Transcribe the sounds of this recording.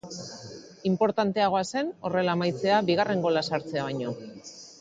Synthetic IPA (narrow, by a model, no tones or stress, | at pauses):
impo̞ɾt̪ant̪e̞aɣ̞o̞ase̞no̞re̞laemajt͡se̞aβiɣare̞ŋɡo̞lasaɾt͡se̞aβ̞aɲo̞